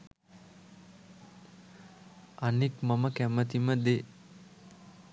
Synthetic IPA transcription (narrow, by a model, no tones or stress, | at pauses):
anikmaməkæmət̪iməd̪e